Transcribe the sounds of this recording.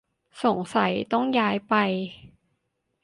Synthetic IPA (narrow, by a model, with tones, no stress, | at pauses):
so˨˩˦ŋsa˩˦jt̪ɔ˥˩ŋjaː˦˥jpa˧j